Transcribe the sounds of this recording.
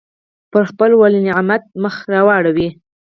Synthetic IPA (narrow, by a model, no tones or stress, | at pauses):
pəɾxpəlwaliniamat̪̚məxɾɑwɑɽawi